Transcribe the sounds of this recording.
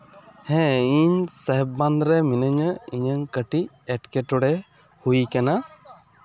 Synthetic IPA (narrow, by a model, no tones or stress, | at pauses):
hɛ̃iɲsəɦbːand̪ɾɛminəɲəiɲəŋkəʈi | ɛʈkɛʈɔɽɛ | hujkana